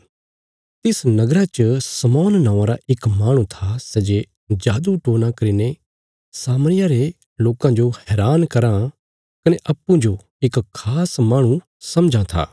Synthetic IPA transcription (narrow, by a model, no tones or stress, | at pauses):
t̪ɪsnɐɡɾat͡ʃəsɐmɔːnːãːãɾaʔɪkmaːɽ̃ũt̪ʰasɛd͡ʒe | d͡ʒaːd̪uʈoːñakɐɾine | saːmɽ̃ɪjaɾe | loːkãd͡ʒohɛːɾaːnkɐɾã | kɐneʔɐpːũd͡ʒo | ɪkkʰːaːsmaːɽ̃ũ | sɐmd͡ʒʱãt̪ʰa̰ː